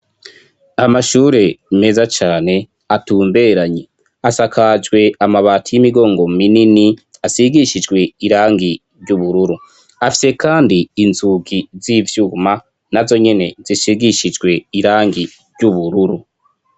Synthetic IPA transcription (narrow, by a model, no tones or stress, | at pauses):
amaʃuːɾe̞me̞zat͡ʃaːne̞ | atuːmbe̞ɾaɲe | asakʰad͡ʒɡwe̞amaβaːtʰijimiɡo̞ːŋɡo̞mininiasiɡiʃid͡ʒɡwe̞iɾaːŋɡi | ɾɟuβuɾuɾu | afi̥se̞kaːndiːnzuɡizivjuːma | nazo̞ɲe̞ne̞zisiɡiʃid͡ʒɡwe̞iɾaːŋɡi | ɾɟuβuɾuɾu